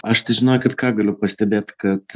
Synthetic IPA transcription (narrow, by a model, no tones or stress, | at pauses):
ɐʃt̪ɐɪʒʲɪnoːjʊkʲɐt̪kɑːɡɐlʲʊpɐsʲt̪ʲɛbʲeːt̪kɐt̪